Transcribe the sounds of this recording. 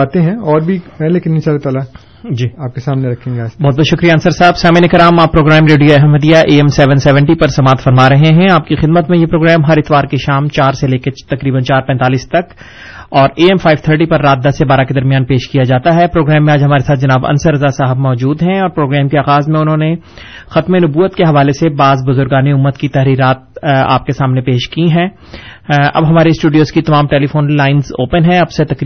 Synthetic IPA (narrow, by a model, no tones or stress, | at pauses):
baːt̪eɦɛ̃ɔːɾbʱipɛleːkɪnːɪt͡ʃalet̪aːla | d͡ʒiːaːp̚kesaːmneɾɐkʰẽːŋɡeaːd͡ʒbɔːt̪bɔːt̪ʃʊkɾijaɐnsəɾsaɦəbsaːmiːnekɾaːmaːpːɾoːɡɾɛːmɾeːɖijoɛɦɛmːɐd̪ijaʔeːɛmsɛʋənsːʋɛ̃ɳʈipɐɾsɐmaːt̪fɐɾmaɾɐɦeɦɛ̃aːp̚kixɪd̪mət̪mẽjepɾoːɡɾɛːmɦɐɾɪt̪ʋaːɾkeʃaːmt͡ʃaːɾseleːket̪ɐkɾiːbənt͡ʃaːɾpɛ̃ːnt̪aːliːst̪ɐk | ɔːɾeːɛmfʰaːɪʋt̪ʰəɾʈipɐɾːaːt̪̚d̪ɐsːebaːɾaked̪ɐɾmijaːnpeːʃkijad͡ʒaːt̪aɦɛpɾoːɡɾɛːmːẽaːd͡ʒɦɐmaːɾesaːt̪̚d͡ʒɐnaːbɐ̰nsəɾɐzasaːɦəbmɔːd͡ʒuːd̪ɦɛ̃ɔːɾpɾoːɡɾɛːmkeaːɣaːzmẽʊnɦõːne | xɐt̪menʊbuːət̪keɦɐʋaːlesebaːzbʊzʊɾɡaːneʊmːət̪kit̪ɛɦɾiːɾaːt̪̚a̰ːp̚kesaːmnepeːʃkiɦɛ̃ː | ɐ̰bɦɐmaːɾesʈuːɖijoːzkit̪ɐmaːmʈeːlifoːnlaːɪnzo̰ːpənɦɛ̃ɐbset̪ɐkː